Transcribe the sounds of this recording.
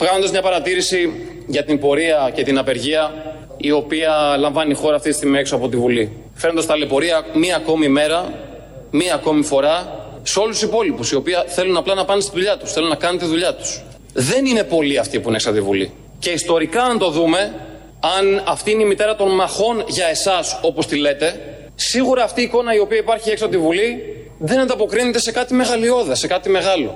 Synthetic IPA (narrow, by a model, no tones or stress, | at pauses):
vɣɐzod̪ɐzmɲɐpɐɾɐt̪iɾisi | ʝɐt̪imbo̞ɾiɐce̞t̪inɐpe̞ɾʝiɐ | io̞piɐlɐɱvɐnixo̞ɾɐːft̪it̪ist̪imieksoɐpo̞t̪ivuli | feɾond̪ɐst̪ɐlepo̞ɾiɐmiɐːko̞mime̞ɾɐ | miɐko̞mifo̞ɾɐ | seo̞lusipo̞lipusio̞piɐθe̞lunɐplɐnɐpɐnest̪iðuʎɐt̪u̥sθe̞lunɐkɐnet̪iðuʎɐt̪u̥s | ðe̞nine̞po̞liɐft̪ipuineksɐt̪ivṵlḭ | ce̞ist̪o̞ɾikɐɐnt̪o̞ðume̞ | ɐnɐft̪iine̞imit̪e̞ɾɐt̪o̞nmɐxo̞nʝɐe̞sɐso̞po̞st̪ile̞t̪e̞ | siɣuɾɐːft̪iːko̞nɐio̞piɐipɐɾçieksɐt̪ivuli | ðe̞nɐnd̪ɐpo̞kɾine̞t̪e̞se̞kɐt̪ime̞ɣɐlio̞ðɐse̞kɐt̪ime̞ɣɐlo̞̰